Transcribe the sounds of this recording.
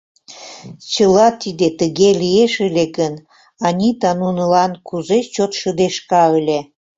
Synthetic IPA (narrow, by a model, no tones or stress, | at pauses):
t͡ɕəlɑt̪id̪et̪əɣelieʃəlʲekən | ɑnʲit̪ɑnunəlɑnkuzet͡ɕot̪ʃəd̪eʃkɑəlʲe